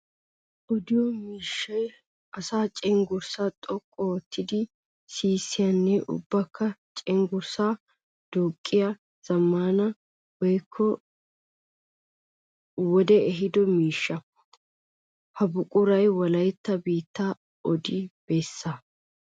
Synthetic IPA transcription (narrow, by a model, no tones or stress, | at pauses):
ʔɔd̪ɪjɔmiːʃːɐj | ɐsaːt͡ʃʼɛŋɡʊɾsaːt̪ʼɔkʼːɔwɔt̪ʰːɪd̪ɪ | siːsːɪjɐnːɛʔʊ̰bːɐkːɐt͡ʃʼɛŋɡʊɾsaː | d̪̥oːkʼːɪjɐ | z̥ɐmːaːnɐ | wɔjkʰːɔ | wɔd̪ɛɛɦɪd̪ɔmiːʃːɐ | hɐbʊkʼʊɾɐjwɐlɐjɛt̪ːɐbiːt̪ːaː | ɔd̪ɪb̥eːsːa